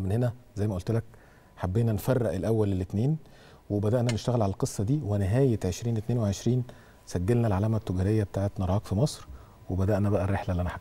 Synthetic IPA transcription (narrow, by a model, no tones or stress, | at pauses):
menhenæzæjːmæʔolt̪elæk | ħabːeːnænfærˤːeʔelʔæwːælelːet̪neːn | webæd̪æʔnæneʃt̪æɣælʕalælqesˤːɑd̪iːweneɦæːjet̪ʕeʃɾiːnet̪neːnweʕeʃɾiːn | sæɡːælnælʕalæːmæt̪ːoɡæɾejːæbet̪aːʕet̪nɑɾˤɑːkfimɑsˤɾ | webæd̪æʔnæbæʔærːeħlælːʔænæħa